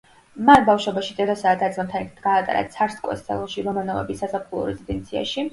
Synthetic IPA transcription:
manbafʃwɛbaʃid̪ʼɛd̪ɔsaːd̪ad̪samt̪ʰanit̪ʰit̪ɡaːt̪ʼa̰ɾa̰t̪sʰaɾskʼwɛ̰st̪sʰʼɛ̰lˠɔʃiɾɔmanɔvɛ̰bisːasapʰχulˠɔ̰ɾɛzid̪ɛnt̪sʰia̰ʃi

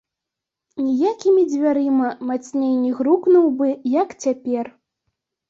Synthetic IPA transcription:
nʲijakʲimʲid͡zʲvʲaɾɨmɐmat͡sʲnʲejnʲiɣɾuknuwbɨjɐkt͡sʲapʲɛr

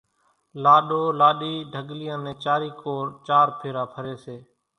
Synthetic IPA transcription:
laːɗoːlaːɗiːɖʱəɠlɪjãːnẽːt͡ʃaːɾiːkoːɾt͡ʃaːɾpʰeːɾaːpʰəɾeːseː

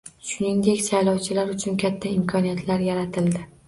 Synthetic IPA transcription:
ʃʊnɪŋd̪e̞kʲsajlɒwt͡ʃʰɪlaɾʊt͡ʃʰʊnkʲʰat̪ʰːaɪmkʰɒnijat̪ʰlaɾjaɾat̪ʰɪld̪ɪ

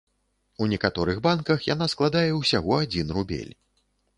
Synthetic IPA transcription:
unʲɛkat̪ɔɾɨɣbankɐxjanasklˠad̪ajɛwsʲaɣɔad͡zʲinrubʲḛlʲ

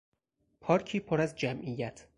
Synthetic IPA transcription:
pʰɒːɾcʰiːpʰoɾæzd͡ʒæmʔijæt̪ʰ

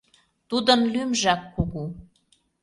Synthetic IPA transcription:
t̪ud̪ə̆nlymʒɑkːuɣu

